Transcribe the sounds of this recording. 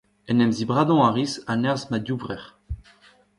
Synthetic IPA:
ɛnɛmzibʁad̪ɔ̃aʁisanɛʁzmad̪juvʁɛʁ

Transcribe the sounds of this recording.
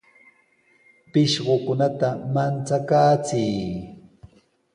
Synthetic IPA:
pɪʃɢokʊnat̪amant͡sakaːt͡sij

